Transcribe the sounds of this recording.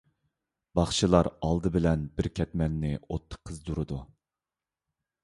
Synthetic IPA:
b̥ɑχt͡ʃʰilˠɑɾɑlˠd̪ɨbɪlɛnbɪɾkʲʰɛt̪mɛnːɪot̪ʰːə̥qʰːəzd̪uɾɨd̪u

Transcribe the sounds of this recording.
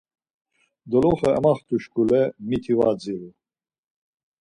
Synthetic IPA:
d̪ɔlɔχɛɛ̰maχt̪ʼuʃkʰʼulɛmit̪ʰivad͡zilu

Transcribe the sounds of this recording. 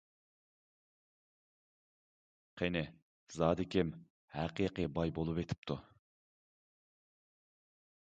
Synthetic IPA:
qʰenɪ | zɑːd̪ɪkʲʰim | hæqiːqibɑjbolˠupet̪ʰɪ̥p̚t̪ʰu

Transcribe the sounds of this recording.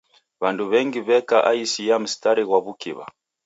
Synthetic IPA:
βanduβɛŋɡiβɛkaʔaisijam̩staɾiɣwaβukḭβa̰

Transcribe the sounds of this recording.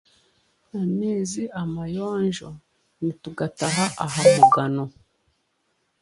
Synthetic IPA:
ameːziamajoːnʒo | nituɡataɦaʔaɦamuɡano

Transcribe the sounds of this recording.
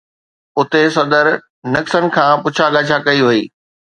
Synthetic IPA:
ʊt̪es̬ɐd̪əɾ | nɐksənɪ̆kʰãːpʊt͡ɕʰaɡaːd͡ʑʰʱakɐiʋɐiː

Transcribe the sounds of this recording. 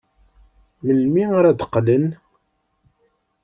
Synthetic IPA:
məlmiaɾæd̪ə̥qːlən

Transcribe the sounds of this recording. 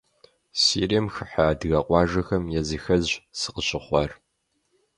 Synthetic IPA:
siːriɐmxɨħaːdɨɣɐqʷʼɑːʒɐxɐmjɛzɨxɐzsɨ̥qəɕʼɪχʷɐr

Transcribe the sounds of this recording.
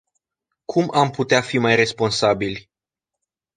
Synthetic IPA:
kʰumʔamput̪eafimajre̞spo̞nsabilʲ

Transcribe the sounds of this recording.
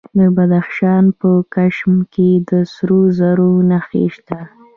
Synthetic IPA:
d̪əbad̪axʃɑnpəkaʃmked̪əsɾozaɾonaxḛʃt̪a

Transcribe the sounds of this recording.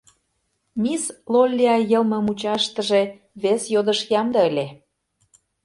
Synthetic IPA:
mʲislolʲːeɑjəlmə̆mut͡ɕɑʃt̪ə̆ʒe | βesjod̪əʃjɑmd̪ɤelʲe

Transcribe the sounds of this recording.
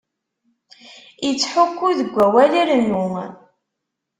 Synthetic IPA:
jət͡sːħʊkːuðəɡʷːæwæliɾənːun

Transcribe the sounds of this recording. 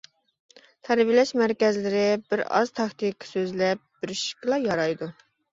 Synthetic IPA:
t̪ʰæɾvɪlɛʃmæɾkʲɛzlɪɾɪbɪɾɑ̰z̥t̪ʰɑkt̪ʰɨkʰːsøzlɛp̚b̥ɪɾɪʃkɨlˠɑjɑɾɑjd̪u

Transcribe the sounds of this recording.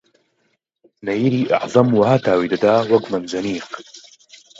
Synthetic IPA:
najiɾiːʔa̰ʕzˤɑmwahat̪ʰaːwid̪ad̪aːwɐɡmanzaniːq

